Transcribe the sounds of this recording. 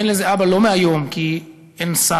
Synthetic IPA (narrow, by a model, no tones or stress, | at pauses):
nlezeʔabalo̞meajo̞mki | ensa